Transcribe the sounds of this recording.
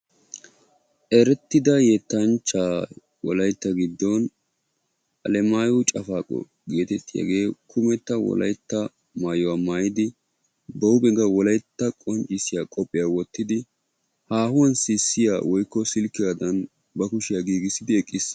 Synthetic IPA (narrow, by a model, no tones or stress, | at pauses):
ʔɛɾɛt̪ːɪd̪ɐjɛt̪ːɐnt͡ʃːaː | wɔlɐjt̪ːɐɡɪd̪ːɔn | ʔɐ̰lɛmaːjɔt͡ʃʼɐfaːkʼɔ̰ | ɡe̞ːt̪ɛt̪ʼːɪja̰ɡeːkʰʊmɛt̪ːɐwɔ̰lɐ̰jt̪ːɐ | maːjɔwaːmaːjɪd̪ɪ | b̪ɔwbɛɡɐwɔlɐjt̪ːɐkʼɔnt͡ʃʼːɪsɪjakʼɔpʼːɪjaːwɔt̪ːɪd̪ɪ | haːhʊwɐnsisːɪja̰ːwɔjkːɔsɪlkːɪjad̪ɐn | bɐkʊʃɪjaɡiːɡɪsɪd̪ɪɛkʼːɪs